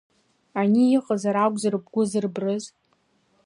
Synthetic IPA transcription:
anijɪqʼazaɾaɡʷzarɨbɡʷʊzɨrbrɨz

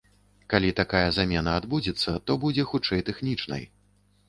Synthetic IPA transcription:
kalʲit̪akajɐzamʲɛnɐːd̪bud͡zʲɛt̪sːɐt̪ɔbud͡zʲɛxut͡ʂɛjt̪ɛxnʲit͡ʂnɐ̰j

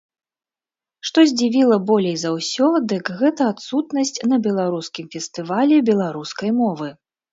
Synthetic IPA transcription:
ʂt̪ɔzʲd͡zʲivʲilˠɐbɔlʲejzawsʲɔd̪ɨkɣɛt̪ɐːt̪sut̪nɐsʲt͡sʲnɐbʲɛlˠaɾuskʲimfʲɛst̪ɨvalʲɛbʲɛlˠaɾuskɐjmɔvɨ

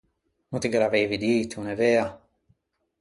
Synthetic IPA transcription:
nut̪iɡelaveːvid̪iːt̪unevea

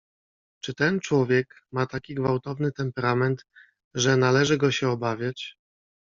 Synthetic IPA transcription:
t͡ʂɘt̪ɛnt͡ʂwɔvʲjɛk | mat̪akʲiɡvawt̪ɔvnɘt̪ɛmpɛɾamɛnt̪ | ʐɛnalɛʐɘɡɔɕɛɔbavʲjat͡ɕ

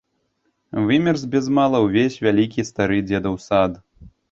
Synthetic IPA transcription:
vɨmʲɛrzbʲɛzmalˠɐwvʲesʲvʲalʲikʲist̪aɾɨd͡zʲɛd̪ɐwsad̪

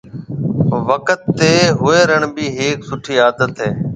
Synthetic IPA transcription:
ʋəkət̪ːeːɦʊeːɾəɳbiːɦeːksʊʈʰiːaːd̪ət̪ɦeː

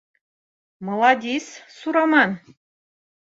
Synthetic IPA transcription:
mɤ̆lˠɑd̪ʲissuɾɑmɑn

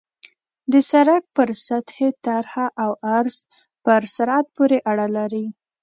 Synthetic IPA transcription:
d̪əsaɾak̚pəɾsat̪het̪aɾhaʔawaɾz̥ | pəɾsaɾɑt̪̚poɾeʔaɽalaɾi

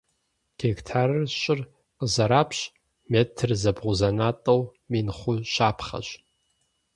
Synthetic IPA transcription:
ɡ̥ekʰtʰarʃʼɪr | qəzaɾapʰɕ | metʰrzabʁʷʊzanatʼowminχʷʊʃaːpʰχa̰ɕ

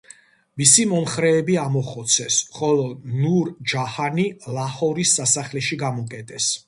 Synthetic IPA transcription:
misimɔmχɾɛːbiamɔχɔt̪sʰɛsχɔlɔnuɾd͡ʒahanilˠahɔɾisːasaχlɛʃiɡamɔkʼɛt̪ʼɛs

